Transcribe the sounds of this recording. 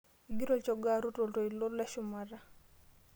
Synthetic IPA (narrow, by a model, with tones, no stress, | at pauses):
iɡi˦ɾɔ˦˨t͡ʃɔ˨ɡaɾu˦to˨lto˨i˨lo˦la˦ʃʊma˨ɾa˦